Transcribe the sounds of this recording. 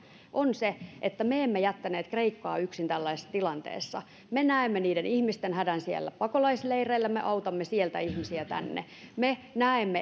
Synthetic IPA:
ʔonseʔet̪ːæmeemːejæt̪ːæneːt̪kreikːɑ̰ːyksint̪ælːæisesːt̪ilɑnt̪ḛːsːɑ̰ | menæemːeniːdenihmist̪enhædænsiḛlːæpɑkolɑisleireilːæmḛʔɑut̪ɑmːesielt̪æ̰ihmisiæt̪æ̰nːḛ | menæemːe

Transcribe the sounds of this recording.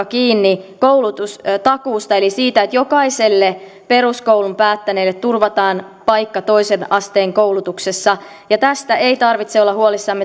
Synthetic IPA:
ɑkiːnːikowlut̪ust̪ɑkuːst̪ɑelisiːt̪æet̪jo̞kɑiselːe | pe̞ruskowlumpæːt̪ːæneːlːet̪t̪urʋɑt̪ɑːn | pɑjkːɑt̪o̞isenɑst̪eːŋkoulut̪uksesːɑ | jɑt̪æst̪æʔeit̪ɑrʋit̪seolːɑhuolisːɑmːe

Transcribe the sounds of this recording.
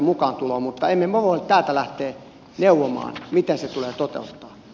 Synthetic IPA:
mukɑːnt̪uloːmut̪ːɑemːemoʋolt̪æːlt̪ælæht̪ˑeː | neˑuwːomɑ̰ːnmit̪enset̪uleːt̪ot̪ḛˑut̪ːɑː

